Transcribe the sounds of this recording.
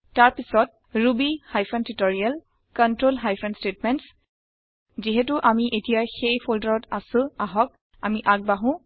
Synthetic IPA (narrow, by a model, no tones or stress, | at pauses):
taɹpisɔt̚ | ɹubihajpʰɔntitɔɹial | kɔntɹolɦajpʰɛnstet̚mɛnts | ziɦɛtʊʔamiʔetijaxejpʰoldaɹɔtasʊ̃aɦɔk̚ | amiʔak̚baɦʊ̃